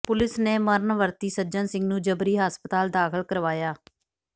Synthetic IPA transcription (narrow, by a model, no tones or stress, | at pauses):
pʊlɪsneːməɾnʋəɾt̪iːsəd͡ʒənsɪ̃ŋɡnũːd͡ʒəbɾiːɦaːspət̪aːld̪aːkʰəlkəɾʋaːjaː